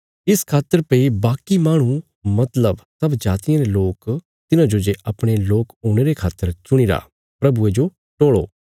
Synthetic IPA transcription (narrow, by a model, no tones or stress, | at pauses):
ɪskʰaːt̪ːəɾpeibaːkimaːɽ̃ũ | mɐt̪ləbsɐbd͡ʒaːt̪ijãɾeloːk | t̪ɪnãd͡ʒod͡ʒeʔɐpɽ̃eloːkoːɽ̃eːɾekʰaːt̪ːəɾt͡ʃʊɽ̃iːɾa̰ː | pɾɐbued͡ʒo | ʈoːɭo̰ː